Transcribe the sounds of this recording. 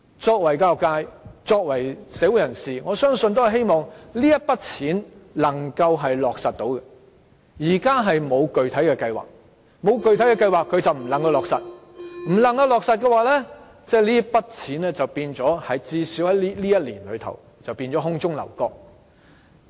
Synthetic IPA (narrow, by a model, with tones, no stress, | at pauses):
t͡sɔː˧k̚wɐ˨˩jkaː˧˨kaː˧jt͡sɔː˧k̚wɐ˨˩jsɛː˨˥wu˨˧jɐ˨˩nsiː˨ŋɔː˨˧sœː˥ŋsɵ˧nt̪o˥whɐ˩jɦe˥jmɔː˨ŋliː˥jɐ˥t̚pɐ˥t̚t͡sʰiː˨˥nlɐ˨˩ŋkɐ˧wɦɐ˨jlɔː˨k̚sɐ˨t̚t̪o˨˧˥wkɛ˧ | jiː˨˩kaː˥ɦɐ˨jmo˨˧wkɵ˨ɥt̪ʰɐ˨˥jkɛː˧kɐ˧jwa̰ː˨k̚ | mo˨˧wkɵ˨ɥt̪ʰjkɛː˧kɐ˧jwaː˨kʰːɵ˨˧ɥt͡sɐ˨wm̩˨˩lɐ˨ŋkɐ˧wlɔː˨k̚sɐ˨t̚m̩˨˩lɐ˨˩ŋkɐ˧wlɔː˨k̚sɐ˨t̚kɛː˧waː˨˧lɛː˥ | t͡sɛː˥liː˥pɐ˥t̚t͡sʰiː˨˥nlɛː˥t͡sɐ˨wpiː˧nt͡ʃɔː˨˥hɐ˨˧jt͡siː˧siː˨˥whɐ˨˥jliː˥liː˥jɐ˥t̚liː˨˩nlɵ̰˨˧ɥt̪ʰɐ̰˨˩w | t͡sɐ˨wpiː˧nt͡ʃɔː˨˥ɦʊ˥ŋt͡sʊ˥ŋlɐ̰˨˩wkɔː˧k̚